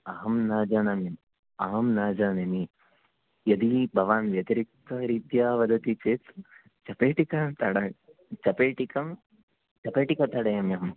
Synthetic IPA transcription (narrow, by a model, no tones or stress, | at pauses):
ɐɦɐmnaːd͡ʒaːnɐmjɐm | ɐɦɐmnaːd͡ʒaːnɐni | jɐd̪ibʱɐʋaːnʋjɐt̪ɐɾik̚t̪ɐɾiːt̪jaːʋɐd̪ɐt̪it͡ʃeːt | t͡ʃɐpeːʈikɐt̪ɐɽɐ | t͡ʃɐpeːʈikɐm | t͡ʃɐpeːʈikɐt̪ɐɽɐjɐmjɐm